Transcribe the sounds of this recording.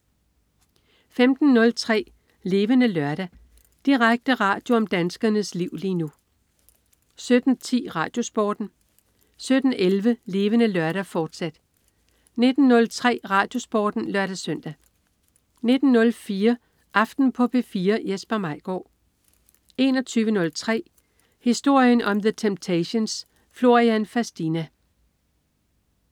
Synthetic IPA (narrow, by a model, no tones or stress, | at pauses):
femd̥n̩ːɔ̽lt͡sʰʁɛ̰ː | le̝ːʋənəlɶɐɾ̥æ | d̥iʁaɡ̥̚d̥əʁɑ̰̈ːd̥jo̝ɒ̽md̥ænsɡ̥ɐnəsliʊ̰liːnu | sød̥n̩t͡sʰḭːʁɑ̰̈ːd̥jo̝sb̥ɒ̰ːd̥n̩ | sød̥n̩ʔelʋəle̝ːʋənəlɶɐɾ̥æfɒːd̥sæd̥ | ne̝d̥n̩ːɔ̽lt͡sʰʁɛ̰ːʁɑ̈ːd̥jo̝sb̥ɒ̰ːd̥n̩lɶɐɾ̥æsœn̰d̥æ | ne̝d̥n̩ːɔ̽lfiːɐ | ʔɑ̈fd̥n̩pʰɒ̽pʰefiːɐjesb̥ɐmɑ̈ɪ̰ɡ̥ɒ̰ː | e̝ːnɒ̽t͡sʰyːʋənɔ̽lt͡sʰʁɛ̰ː | hisd̥o̝ɐ̰jənɒ̽mðət͡sʰemb̥̚t͡sʰæɕo̝ns | flo̝ʁiænfæsd̥inæ